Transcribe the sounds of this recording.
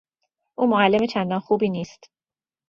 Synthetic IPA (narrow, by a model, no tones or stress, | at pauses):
ʔuːmoælːemet͡ʃʰænd̪ɒːnxuːbiːniːst̪